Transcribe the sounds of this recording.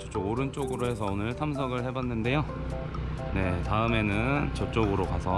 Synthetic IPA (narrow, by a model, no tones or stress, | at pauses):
t͡ɕʌp̚t͡ɕ͈oɡoɾɯnt͡ɕ͈oɡɯɾohe̞sʰʌonɯɭtʰams̬ʰʌɡɯɭhe̞banːɯnde̞jo | ne̞taɯme̞nɯnt͡ɕʌp̚t͡ɕ͈oɡɯɾokasʰʌ